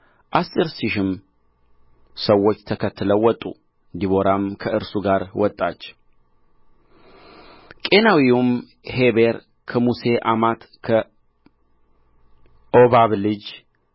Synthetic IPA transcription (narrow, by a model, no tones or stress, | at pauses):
ʔasʼɨɾsiʃɪm | səwːo̞t͡ʃːt̪ʰəkʰət̪ʰːɨləwːɔt̪ʼːṵ | ɨnd̪iβo̞ɾamkʰəɨɾsuɡaɾwɔt̪ʼːa̰t͡ʃː | kʼenawium | he̞βe̞ɾ | kʰəmuse̞ʔamat̪ | kʰə | ʔo̞βaβlɨd͡ʒ